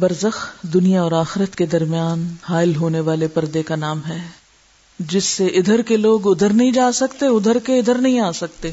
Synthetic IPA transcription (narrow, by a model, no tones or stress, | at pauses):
bɐɾzəxd̪ʊnijaɔːɾaːxɪɾət̪ked̪ɐɾmijaːnhaːɪlɦoːneʋaːlepɐɾd̪ekanaːmɦɛ | d͡ʒɪsːeʔɪd̪ʱəɾkeloːɡʊd̪ʱəɾnɐɦĩd͡ʒaːsɐkt̪eʊd̪ʱəɾkeɪd̪ʱəɾnɐɦĩaːsɐk̚t̪eː